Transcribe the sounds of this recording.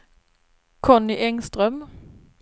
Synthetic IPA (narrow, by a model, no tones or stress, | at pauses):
kʰɔnɪʔɛŋst̪ʁœm